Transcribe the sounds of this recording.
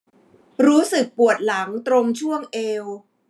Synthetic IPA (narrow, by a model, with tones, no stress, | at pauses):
ɾuː˦˥sɯ˨˩k̚pu˨˩ət̪̚la˩˦ŋt̪ɾo˧ŋt͡ɕʰu˥˩əŋʔeː˧w